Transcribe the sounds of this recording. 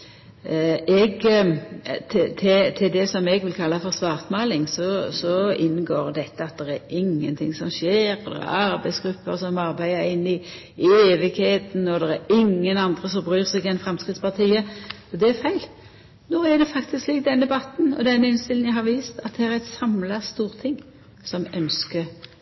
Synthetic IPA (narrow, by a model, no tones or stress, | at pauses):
ɛɡ | t̪ʰɪt̪ʰɪt̪ʰɪld̪ɛsɔmɛɡʋɪlkʰɑlːɑfɔʁsʋɑːʁt̪mɑːlɪŋsɔsɔɪnɡoːɾd̪ɛt̪ːəɑt̪̚d̪ɛɾæɾɪŋːənt̪ʰɪ̰ŋsɔmʃeːɾɔd̪ɛ̰ɾɛ̰ɾɑɾbæɪsɡ̥ɾʉpːəɾsɔmɑɾbæɪəɾɪnːɪ | eːʋɪɡheːt̪n̩ɔd̪ɛɾæɾɪŋːənɑnd̪ʁəsɔmbʁyːʁsɛɡɪɛnfɾɛmskʁɪt̪spɑʁt̪ʰiːə | ɔd̪ɛæɾfæɪl | noːæʁd̪ɛfɑkt̪ɪskliːk̚d̪ɛnd̪ɛbɑt̪n̩ɔ̰d̪ɛnɪnst̪ɪl̩jæɪɦɑɾʋiːst̪ɑt̪̚d̪ɛhæɾæɪt̪sɑmlɑst̪uːʁt̪ʰɪŋː | sɔmœnskə